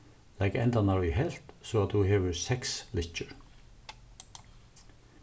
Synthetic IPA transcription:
læɪkɛnd̪ɑnɑɹihɛl̥t̪soːɑt̪dʉːheːʋəɹsɛkslɪt͡ʃəɹ

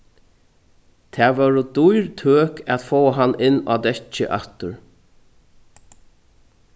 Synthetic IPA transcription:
t̪ʰɛːʋœɹʊd̪ujɹt̪ʰøːkɛt̪foːəɦanːɪnːʔa̰d̪ɛt͡ʃːə̰ʔaht̪ʊɹ

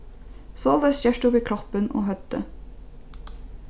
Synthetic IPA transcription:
soːld̪əsjæʃʈuːʋiːkʰɾɔpəno̰ːɦhœt̪ə

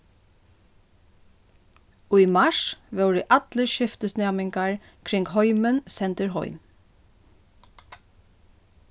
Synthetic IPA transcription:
ujmaʂʋɛwɾɪʔat̪ləɹʃɪft̪əsnɛːmɪŋkaɹ | kʰɾɪŋkɦɔʏmənsɛnt̪əɾɦɔ̰ʏm

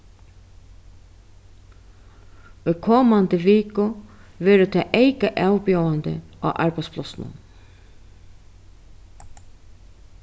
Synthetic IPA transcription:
ʊjkʰɔːmant̪ɪʋiːkʊʋɛːɾɪt̪ʰɛ̰ʔejkaʔawpjawant̪ɪ̰a̰ʔa̰ɹpajspʰlɔsnʊ̰n

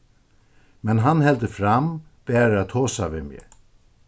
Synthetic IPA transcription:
mɛnɦanhɛlt̪əfɾam | b̥ɛːɾat̪ʰoːsa̰vɪmɪ̰ː

